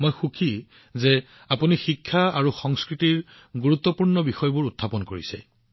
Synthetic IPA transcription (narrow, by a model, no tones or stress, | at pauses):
mojxukʰi | zɛ | apunixikʰːaaɹuxɔŋskɹitiɹ | ɡuɹut̪ːɔpuɹnɔbixɔjbʊɹutʰːapɔnkoɹisɛ̰